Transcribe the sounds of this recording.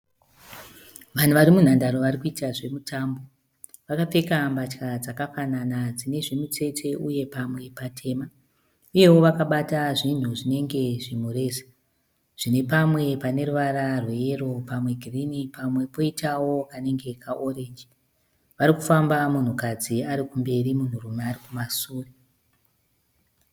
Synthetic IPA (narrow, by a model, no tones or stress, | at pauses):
ʋan̤uʋaɾimun̤andaɾo̞ʋarikuitaʐe̞mutʰambo̞ | ʋakap͡fe̞kambat͡ʃkad͡zakafananad͡zine̞ʐinut͡se̞tʰe̞ʔuje̞pamwe̞patʰe̞ːma | uje̞wo̞ʋakaɓataʐin̤uʐine̞ŋɡe̞ʐimure̞ːsḁ | ʐ̥ine̞pamwe̞pane̞ruʋaɾarweje̞ro̞pamwe̞ɡʱirinipamwe̞po̞itawo̞kane̞ŋɡe̞kʰaʔo̞re̞nd͡ʒi | ʋaɾikufambamun̤ukad͡ziaɾikumbe̞rimun̤urumeːrikumasuːre